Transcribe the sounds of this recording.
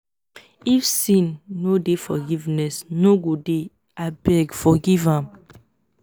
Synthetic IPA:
ifsĩnːodefɔɡivnɛsnoɡude | abɛɡfɔɡivãm

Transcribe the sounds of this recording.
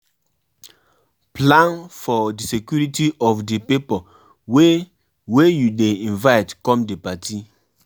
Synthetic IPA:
plãnfɔdisekjuɹitiʔɔfdipipɔ | we | wejudeĩnvaɪtkɔ̃mdepati

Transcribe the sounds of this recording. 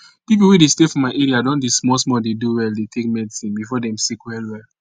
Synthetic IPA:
pip̬uwudestefɔ̃maɪɛɹiadɔ̃ndismɔsmɔdeduwɛldetʰekmɛdisĩnbifɔdɛ̃msikwɛlwɛl

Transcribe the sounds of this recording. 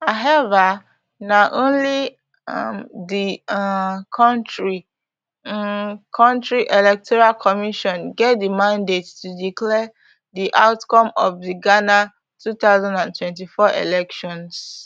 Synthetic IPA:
haɛva | naʔõnli | mdi | kʰɔ̃ntɹi | kʰɔ̃ntɹiʔɛlɛk̚tʰɔɹalkʰɔmiʃɔ̃nɡɛt̚dimãndetːudiklɛ | diʔaʊtkɔ̃mɔfðiɡana | tʰuθaʊzãndãntʰwɛ̃nt̬ifɔʔḛlɛkʃɔ̃ns

